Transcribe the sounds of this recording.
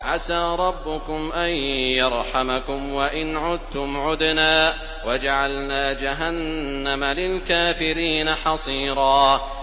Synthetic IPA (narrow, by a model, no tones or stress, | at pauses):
ʕasaːɾˤɑbːʊkʊmʔanjɑɾˤħamakʊmwaʔɪnʕʊd̪̚t̪ʊmʕʊd̪naː | wad͡ʒaʕalnaːd͡ʒaɦanː | amalɪlkaːfɪɾiːnaħɑsˤiːɾˤɑː